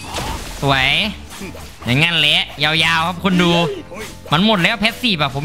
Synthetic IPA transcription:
su˨˩˦əj | ɲa˨˩˦ŋa˧˨nle˦˥ʔjaː˧wjaː˧wkʰa˦˥˩p̚kʰu˧˨nduː˧ | ma˧˥˨nmo˨˩t̪̚lɛː˦˥˩wpʰɛː˦˥t̪̚siː˧˩pa˧˩pʰo˨˦m

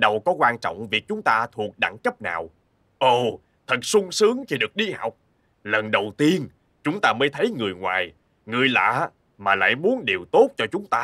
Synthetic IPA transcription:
ɗə˨˩wkɔ˨˦kwaː˧nt͡ɕɔ̰˧˨wŋ͡mvi˨˩ək̚t͡ɕʊ˨˦ŋ͡mt̪aː˧t̪ʰu˨˩ək̚ɗa̰˧˩ŋkə˦˥p̚na̰ː˨˩w | ʔo˧˩ | t̪ʰə˨˩t̚sʊ˧ŋ͡msɨ˨˦əŋxi˧ɗɨ˨˩ək̚ɗi˧ha̰˨˩wk͡p̚ | lə˨˩nɗə˨˩wt̪i˧ən | t͡ɕʊ˨˦ŋ͡mt̪aː˧məː˨˦jt̪ʰə˨˦jŋɨ˨˩əjŋwa̰ː˨˩j | ŋɨ˨˩əjla̰ː˧˥ | maː˨˩la̰ː˧˨jmu˨˦ənɗe˨˩əwt̪o˦˥t̚t͡ɕɔ˧t͡ɕʊ˨˦ŋ͡mt̪aː˧

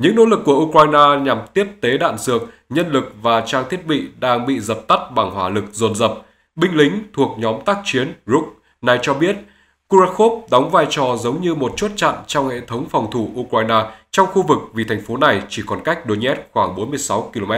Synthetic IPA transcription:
ɲɨ̰˧˥ŋno̰˧˥lɨ˨˩kːu˧˩əʔu˧kwaː˧jnaː˧ɲa˨˩mt̪i˦˥əp̚t̪e˨˦ɗa̰ː˧˨nzɨ˨˩ək̚ɲə˧nlɨ˨˩k̚vaː˨˩t͡ɕaː˧ŋt̪ʰi˦˥ət̚ɓḭ˧˨ɗaː˧ŋɓḭ˧˨zə˨˩p̚t̪a˦˥t̚ɓa˨˩ŋhwaː˧˩lɨ˨˩k̚zo˨˩nzə˨˩p̚ | ɓï˧ŋ̟lï˨˦ŋ̟t̪ʰu˨˩ək̚ɲɔ˨˦mt̪aː˦˥k̚t͡ɕi˨˦ənzu˦˥k̚ | na˨˩jt͡ɕɔ˧ɓi˦˥ət̚ | ku˧za˦˥t̚xo˦˥p̚ɗa˨˦wŋ͡mvaː˧jt͡ɕɔ˨˩zə˨˦wŋ͡mɲɨ˧mo˨˩t̚t͡ɕu˦˥t̚t͡ɕa̰˧˨nt͡ɕɔ˧wŋ͡mhḛ˧˨t̪ʰə˨˦wŋ͡mfɔ˨˩wŋ͡mt̪ʰu˧˩ʔu˧kwaː˧jnaː˧t͡ɕɔ˧wŋ͡mxu˧vɨ˨˩k̚vi˨˩t̪ʰa˨˩ŋ̟fo˨˦na˨˩jt͡ɕi˧˩kɔ˨˩nka˦˥jk̟̚ɗo˨˧˦ɲɛ˦˥t̚xwaː˧˩ŋɓo˨˦nmɨ˧əjsa˨˦wki˧lo˧mɛ˦˥t̚

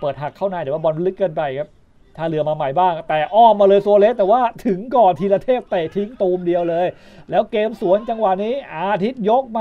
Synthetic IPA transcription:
pɤː˨˩t̪̚ha˨˩kʰːa˥˩wnaː˧jt̪ɛː˨˩waː˥˩bɔ˧n˧lɯ˦˥kːa˧npa˧jkʰa˦˥p̚ | t̪ʰaː˧lɯ˧ɐmaː˧ma˨˩jbaː˥˩ŋt̪ɛː˨˩ʔɔː˥˩mːaː˧lɤː˧jsu˧ɐ˧le˦˥t̪ːɛː˨˩waː˥˩t̪ʰɯ˨˩˦ŋkɔː˨˩nt̪ʰiː˧laː˧t̪ʰeː˥˩p̚t̪e˨˩t̪ʰi˦˥ŋt̪uː˧mdi˧əwlɤː˧j | lɛː˦˥wkeː˧msu˨˩˦ənt͡ɕa˧ŋwa˨˩niː˦˥ʔaː˧t̪ʰi˦˥t̪̚jo˦˥k̚ma˧

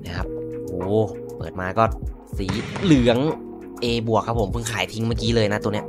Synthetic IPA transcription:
na˦˥˩kʰa˦˥p̚ʔoː˧˩ | pɤ̰ː˨˩t̪̚maː˧kɔː˥˩ | siː˩˦lɯ˨˩˦əŋ | ʔeː˧bu˨˩ək̚ʰːa˦˥pʰːo˩˦mpʰɯ˥˩ŋkʰaː˩˦jt̪ʰi˦˥ŋmaː˥˩kiː˦˥lɤː˧jna˦t̪u˧n˦˥

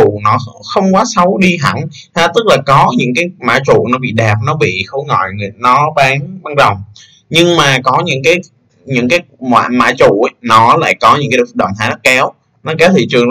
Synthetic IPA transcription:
ṵ˧˨nɔ˨˦xə˧wŋ͡mkwaː˨˦sə˨˦wɗi˧ɦa̰˧˩ŋ | haː˧t̪ɨ˦˥k̚laː˨˩kɔ˨˦ɲɨ̰˧˥ŋkaː˨˦jma̰ː˧˥t͡ɕṵ˧˨nɔ˨˦ɓḭ˧˨ɗa˨˩p̚nɔ˨˦ɓḭ˧˨xo˨˦jŋɔ̰˧˨jnɔ˨˦ɓaː˨˦nŋɓaː˨˦nzə˨˩wŋ͡m | ɲɨ˧ŋmaː˨˩kɔ˨˦ɲɨ̰˧˥ŋkaː˨˦j | ɲɨ̰˧˥ŋkaː˨˦jmwa̰ː˧˨ma̰ː˧˥t͡ɕṵ˧˨˦nɔ˨˦la̰ː˧˨jkɔ˨˦ɲɨ̰˧˥ŋkaː˦˧˨ɗə̰˧˨wt̪aː˨˦na˦˥kɛ˨˦w | nɔ˨˦kɛ˨˦wt̪ʰḭ˧˨t͡ɕɨ˨˩əŋ

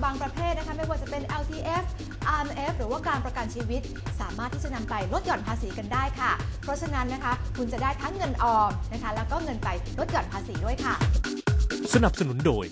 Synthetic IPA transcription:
baː˧ŋpɾa˧pʰeː˥˩t̪̚n˦˥kʰa˦˥ma˥˩jwaː˧˩t͡ɕa˨˩pe˧nʔɛ˧wt̪ʰiː˧ʔe˦˥f | ʔaː˧nʔe˦˥p̚ɾɯː˩˦waː˥˩kaː˧npɾa˧ka˧nt͡ɕʰiː˧wi˦˥t̪̚saː˩˦maː˥˩t̪ʰːiː˥˩t͡ɕa˨˩na˧mpa˧jlo˦t̪̚jɔː˨˩npʰaː˧siː˩˦ka˧ndaː˥˩jkʰa˥˩pʰɾɔ˦˥t͡ɕʰa˧na˦˥nːa˦˥kʰa˦˥kʰu˧nt͡ɕa˨˩daː˥˩jt̪ʰa˦˥ŋːɤ˧nʔɔː˧m̚na˦˥kʰa˦˥lɛː˦˥wkɔː˥˩ŋɤ˧npa˧jlo˦t̪̚jɔː˨˩npʰaː˧siː˩˦du˥˩əjkʰa˥˩ | sa˧na˨˩p̚sa˧nu˩˦ndoː˧j

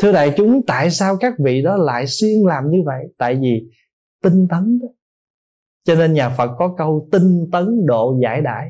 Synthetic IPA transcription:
t̪ʰɨ˧əɗa̰ː˧˨jt͡ɕʊ˨˦ŋ͡mt̪a̰ː˧˨jsaː˧wkaː˦˥k̚vḭ˧˨ɗɔ˨˦la̰ː˧˨jswi˧ənlaː˨˩mɲɨ˧və̰˧˨jt̪a̰ː˧˨jvi˨˩ | t̪ï˧ŋt̪ə˨˦nɗ | t͡ɕɔ˧ne˧nɲaː˨˩fə˨˩t̚kɔ˨˦kə˧wt̪i˧ŋt̪ə˨˦nɗo̰˧˨za̰ː˧˩jɗa̰ː˧˨j

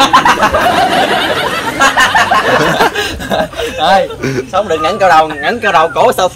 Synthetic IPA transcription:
ə˧˩jsə˨˦wŋ͡mɗɨ˨˩ək̚ŋə˨˥ŋka˧wɗa˨˩wŋə˨˦nkaː˧wɗə˨˩wko˨˦səː˧f

